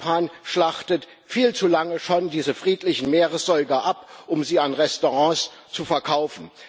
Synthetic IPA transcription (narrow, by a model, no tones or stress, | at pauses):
aːnʃlaχtət | fiːlt͡sulaŋəʃondiːzəfʁ̥iːtlɪçn̩meːʁəsz̥ɔʏɡɐʔapʔʊmziːanʁɛstoʁɑ̃ːst͡sufɛɐkʰaʊfn̩